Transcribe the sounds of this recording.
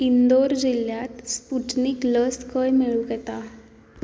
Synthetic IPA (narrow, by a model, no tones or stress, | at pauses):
ind̪oɾd͡ʑiljat̪spuʈniːkləskəjmeɭuɡet̪a